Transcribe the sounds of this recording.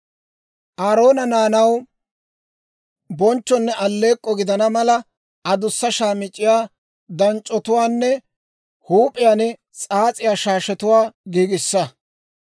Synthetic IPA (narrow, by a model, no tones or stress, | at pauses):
ʔaːɾo̞ːnɐnaːnɐw | bɔnt͡ʃːɔnːɛʔɐlːe̞ːkʼːɔɡɪd̪ɐnɐmɐlɐ | ɐd̪ʊsːɐʃaːmɪt͡ʃʼːɪjaː | d̪ɐnt͡ʃʼːɔt̪ʊwaːnːɛ | huːpʼɪjaːnɛ | t͡sʼaːt͡sʼɪjaːʃaːʃɛt̪ʊwaːɡiːɡɪsːɐ